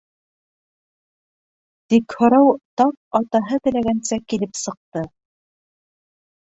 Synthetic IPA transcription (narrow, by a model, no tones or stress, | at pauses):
t̪ikhŏɾɑwt̪ɑp̚ɑt̪ɑɦɤt̪ɘ̆læɡænsækilɘpsɤ̆q̚t̪ɤ